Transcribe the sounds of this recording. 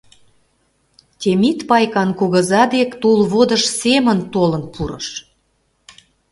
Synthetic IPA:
t̪ʲemit̪pɑjkɑnkoɣə̆zɑd̪ekt̪ulβod̪ə̆ʃsemə̆nt̪olə̆npʰuɾə̰ʃ

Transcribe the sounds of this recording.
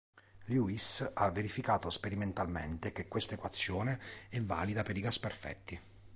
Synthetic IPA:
ljuisavːeɾifikaːt̪ospeɾiment̪almḛnt̪ekekːwest̪aekwat̪sːjoːneɛvːa̰ːlid̪apeɾiɡasperfɛ̰t̪ːi

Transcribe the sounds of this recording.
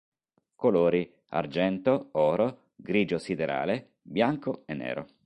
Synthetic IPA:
koloːɾi | a̰rd͡ʒɛnt̪oɔːɾo | ɡɾiːd͡ʒosid̪eɾa̰ːle | bjaŋkoenːɛ̰ːɾo̰

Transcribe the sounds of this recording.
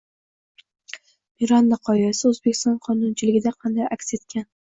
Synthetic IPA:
miɾanːɑqʰɒjasɪɵzbekʲʰɪ̥st̪ɒnqʰɒnʊnt͡ʃʰɪlɪɡʲɪd̪aqʰɑnd̪ajʔakʲse̞t̪kʲan

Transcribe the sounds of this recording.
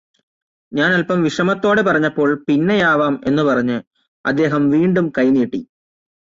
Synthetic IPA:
ɲaːnɐlpɐmʋiʂɐmɐt̪ːo̞ːɽepɐrɐɲːɐpːo̞ːɭpinːejaːʋaːme̞̰nːɨpɐrɐɲːɨ | ɐ̰d̪ːe̞ːɦɐmʋiːɳɖumkɐjniːʈːḭ

